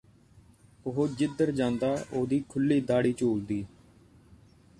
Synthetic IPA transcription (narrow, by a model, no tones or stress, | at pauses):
ʊɦoːd͡ʒɪd̪əɾd͡ʒãːnd̪aːʔoːd̪iːkʰʊlːiːd̪aːɽiːt͡ʃuːld̪iː